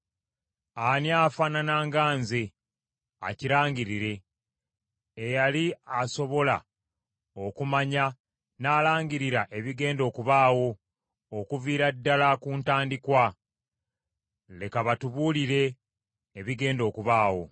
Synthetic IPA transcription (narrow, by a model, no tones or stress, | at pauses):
aniaːfananaːŋɡaːnze | a̰ciɾaːɲɟiɾiɾe̞ | jaliaso̞βo̞la | okumaɲa | naːlaːɲɟiɾiɾaʔe̞βiɡe̞ːndo̞ːkuβaːwo̞ː | kuviːɾadːalakuntaːndikwa | le̞kaβatuβuːliɾe̞ː | βiɡe̞ːndo̞ːkuβaːwo̞̰